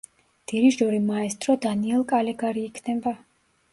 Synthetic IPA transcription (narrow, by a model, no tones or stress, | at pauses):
d̪̥iɾiʒɔɾimaɛst̪ʼɾɔd̪aniɛlˠkʼalɛɡaɾiːkʰnɛba